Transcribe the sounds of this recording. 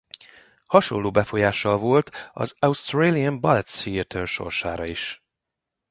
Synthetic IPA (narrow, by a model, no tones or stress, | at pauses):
hɒʃo̞̰lːoːbɛfo̞jaːʃːɒlvo̞lt̪ɒ̰zɒust̪reliɛmbɒlɛt̪siɛt̪ʰɛlʃo̞̰rʃa̰ːɾɒiʃ